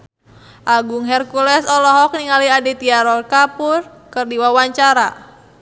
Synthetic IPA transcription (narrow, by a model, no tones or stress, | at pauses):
ʔaɡuŋɦɛrkulɛsɔlɔɦɔk̚niŋaliadit̪iaɾɔlkapur | kɨrdiwawaɲt͡ʃaɾa